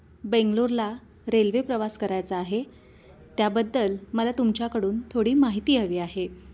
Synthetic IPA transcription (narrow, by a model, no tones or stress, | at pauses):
beŋɡloɾla | ɾelʋepɾəʋaskəɾajt͡saːɦe | t̪jabəd̪ːəlməlat̪umt͡ɕjakəɽuːnt̪ʰoɽiːmaɦit̪iːəʋiːaɦe